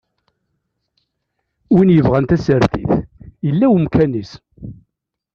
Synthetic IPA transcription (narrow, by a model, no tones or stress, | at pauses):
winjəvʁænt̪æsəɾθḭθjəlːæwmkʰænis